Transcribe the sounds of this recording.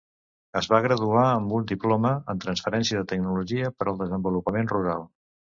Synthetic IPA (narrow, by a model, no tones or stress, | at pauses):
əzβaɣ̞ɾəðuaəmbund̪iplɔməənt̪ɾənsfəɾɛnsiəðət̪əɡ̚nuluʒiəpəɾəlˠd̪əzəmbulupəmenruɾalˠ